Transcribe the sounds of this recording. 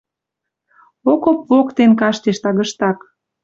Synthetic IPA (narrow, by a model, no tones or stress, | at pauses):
okopvokt̪enkɑʃt̪eʃt̪ɑɣəʃt̪ɑk